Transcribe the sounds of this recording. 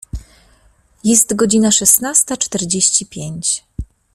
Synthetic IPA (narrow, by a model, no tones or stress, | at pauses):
jɛst̪ɡɔd͡ʑinaʂɛst̪nast̪at͡ʂt̪ɛɾd͡ʑeɕt͡ɕipʲjeɲt͡ɕ